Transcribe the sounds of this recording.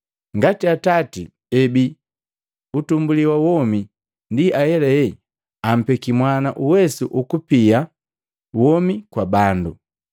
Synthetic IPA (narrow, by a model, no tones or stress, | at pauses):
ŋɡatiatatḭ | ɛbi | utumbuliwawɔmi | ndiʔajɛlɛɛ | am̩pɛkimwanaʔuwɛsuʔukupia | wɔmikwabandu